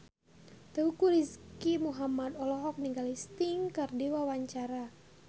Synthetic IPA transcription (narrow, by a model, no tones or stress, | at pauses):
t̪əukuɾiskimuɦamad̪ɔlɔɦɔk̚niŋɡalist̪iŋkərdiwawaɲt͡ʃaɾa